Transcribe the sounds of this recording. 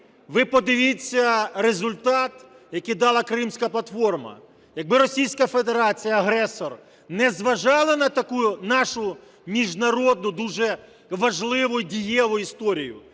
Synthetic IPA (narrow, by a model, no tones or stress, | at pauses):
ʋɪpɔd̪ɪʋʲit͡sʲːɐɾezʊlʲt̪ɑt̪ | jɐkijd̪ɑlˠɐkɾɪmsʲkɐplˠɐt̪fɔrmɐ̰ | jɐɡ̚bɪɾɔsʲijsʲkɐfed̪eɾɑt͡sʲijɐɐɦɾɛsɔr | nɛzʋɐʒɑlˠɐnɐt̪ɐkujʊnɑʃʊ | mʲiʒnɐɾɔd̪̚nʊd̪uʒɛ | ʋɐʒlˠɪʋʊjʊdʲijɛlˠʊjist̪ɔɾʲijʊ̰